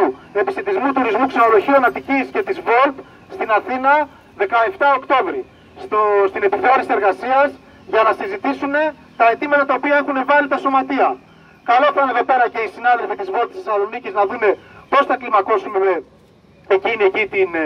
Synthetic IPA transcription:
ue̞piset̪izmut̪uɾizmukseno̞lo̞çiuɐnɐt̪icisce̞t̪izvo̞lt̪ | st̪inɐθinɐ | ðe̞kɐe̞ft̪ɐokt̪o̞vɾi | st̪ost̪ine̞piθeoɾisie̞ɾɣɐsiɐz | ʝɐnɐsizit̪isune̞ | t̪ɐet̪imɐt̪ɐt̪ɐo̞piɐe̞xune̞vɐlit̪ɐso̞mɐt̪iɐ | kɐlofɐneðo̞pe̞ɾɐce̞isinɐðe̞lfit̪izvo̞lt̪isθisɐlo̞niciznɐðume̞po̞sθɐklimɐko̞summe̞ | eciniecit̪in

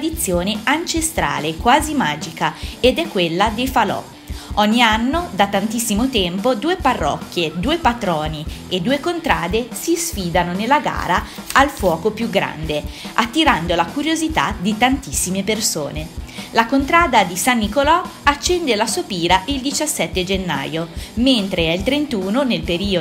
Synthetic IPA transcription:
d̪it̪sːjoːneant͡ʃest̪ɾa̰ːlekwaːzimaːd͡ʒikaed̪ɛkːwelːad̪ejfalɔ̰ | ɔɲːianːod̪at̪ːant̪isːimot̪ɛmpod̪uːeparːɔ̰kːjed̪uːepat̪ɾɔːnied̪ːuːekont̪ɾaːd̪esisfiːd̪anonelːaɡa̰ːɾaalfwɔːkopjuɡɾa̰nd̪eat̪ːiɾand̪olakuɾjozit̪a̰d̪it̪ant̪isːimeperso̰ːnelakont̪ɾaːd̪ad̪isanːikolɔat͡ʃːɛnd̪elasopiːɾaʔild̪it͡ʃasːɛt̪ːed͡ʒenːa̰ːjoment̪ɾeɛilt̪ɾent̪uːnonelpeɾiːo

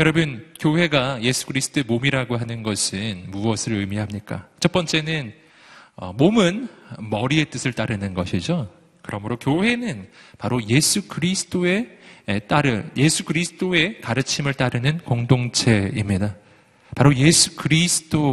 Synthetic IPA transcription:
jʌɾʌbɯnkjoɦe̞ɡaje̞sʰu̥kɯɾisʰɯ̥tʰoemomiɾaɡoɦanɯnɡʌsʰɯnmuʌsʰɯɾɯmiɦamɲik͈a̰t͡ɕʰʌp͈ʌnt͡ɕ͈e̞nɯn | ʌ̰momɯnmʌɾie̞t͈ɯsʰɯɭt͈aɾɯnɯnɡʌɕʰid͡ʑo | kɯɾʌmɯɾokjoɦe̞nɯnpaɾoje̞sʰukɯɾisʰɯ̥t͈ʰoe̞t͈aɾɯje̞sʰukɯɾisʰɯ̥t͈ʰoe̞kaɾɯt͡ɕʰimɯɭt͈aɾɯnɯnkoŋdoŋt͡ɕʰe̞imɲida | paɾoje̞sʰu̥kɯɾisʰɯ̥t͈ʰo

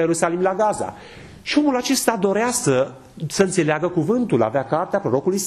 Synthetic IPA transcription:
jeɾusalimlaɡaza̰ | ʃio̞mulat͡ʃe̞st̪ad̪o̞ɾeasə | səɨnt̪se̞leaɡəkuvɨnt̪ula̰veakart̪eapɾo̞ɾo̞kuluijs

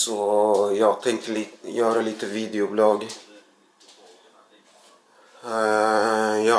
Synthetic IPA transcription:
sɔjɑːɡ̚t̪ʰɛŋkt̪əliːt̪jøːɾəliːt̪əviːd̪ɪʊblɑːɡ | jɑː

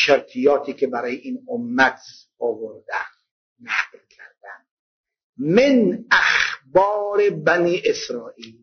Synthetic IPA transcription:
ʃeɾt̪ʰijɒːt̪ʰiːkʲʰebæɾɒːjeʔiːnomːæt̪ʰ | ɔvoɾd̪æn | næqlkʲʰæɾd̪æn | menæxbɒːɾebæniːʔesɾɒːʔiːl

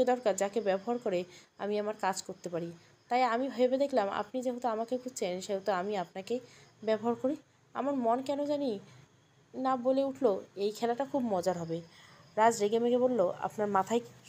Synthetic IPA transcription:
ed̪ɔɾkaɾd͡ʑakebɛboɦaɾkoɾea̰miamaɾkad͡ʑkoɾt̪epaɾi | t̪ajamiɦoebed̪ekʰlama̰pnid͡ʑeɦot̪oamakekʰud͡ʑt͡ɕʰenʃeɦot̪oamiapnakebɛboɦaɾkoɾi | a̰maɾmonkɛnod͡ʑani | naboleuʈʰloejkʰɛlaʈakʰubmɔd͡ʑaɾɦɔbeɾad͡ʑɾeɡemeɡebolːoa̰pnaɾmat̪ʰaj

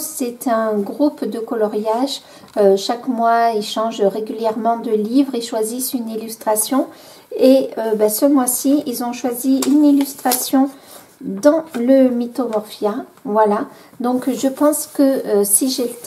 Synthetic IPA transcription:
sɛt̪ɛ̃ɡʁupd̪əkɔlɔʁjaʒ | øʃakmwailʃɑ̃ʒʁeɡʲyljɛʁmɑ̃d̪əlivʁeʃwazisynilyst̪χasjɔ̃ | eøbasəmwasiilzɔ̃ʃwaziynilyst̪χasjɔ̃ | d̪ɑ̃ləmit̪ɔmɔʁfjavwala | d̪ɔ̃kʒəpɑ̃skəøsiʒe

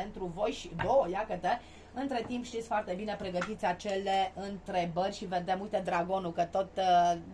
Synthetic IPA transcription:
ent̪ɾuvo̞jʃid̪owəjakət̪e | ɨnt̪ɾe̞t̪impʃt̪it̪sʲfoart̪e̞binepɾe̞ɡət̪it̪sʲat͡ʃe̞le̞ɨnt̪ɾe̞bərʲʃived̪emult̪ed̪ɾaɡo̞nukət̪o̞t̪

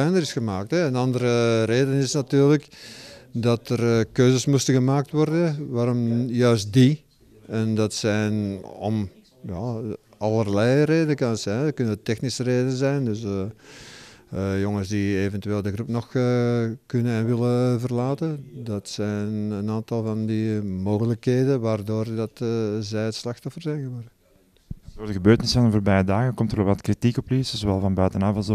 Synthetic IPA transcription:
ɛjnəɾɪsxəmaːk̚tɛənɑndəɾəreːdənɪsnatyːrlək | dɑtərkøːzəsmustəɣəmaːk̚tʋɔrdəʋaːɾɔmjœɥst̚di | ɛndɑtsɛjnɔ̰m | ja | ɑlˠərlɛjreːdənəkɑnətsɛjnəkʏnətɛxnisəreːdənzɛjndøs | jɔŋənsdieːvɛntyeːlˠdəɣrupnɔxəkɵnənɛnʋɪləvərlaːtəndɑtsɛjnənaːntɑlˠvɑndimoːɣələkɦeːdənʋaːrdoːrdɑtːzɛjətslɑxtɔfərzɛjnɣəʋɔrdə | sotəɣəbøːrtənɪsfɑnənvoːrbɛjədaːɣəkɔmtəɾɔlʋɑtkritikɔpliszowʋɛlˠvɑnbœɥtənaːvəlˠzɔ

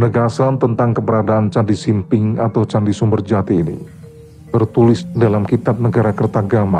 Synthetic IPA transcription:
nəɡasant̪ənt̪aŋkəbəɾadaʔːnt͡ʃandisimpɪŋat̪awt͡ʃandisumbərd͡ʒat̪iːnḭ | t̪ərt̪ulɪsdalamkit̪ap̚nəɡaɾakərt̪aɡama̰

